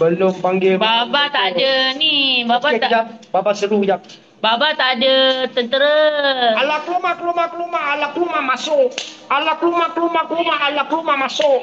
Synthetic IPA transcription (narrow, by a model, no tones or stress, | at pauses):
bəlʊmpaŋɡɪbabat̪adənibabaad͡ʒababasəɾujak̚ | babat̪adət̪ənt̪əɾəalaklumaklumaklumaalaklumamasʊʔalaklumaklumaklumaʔalaklumamasʊʔ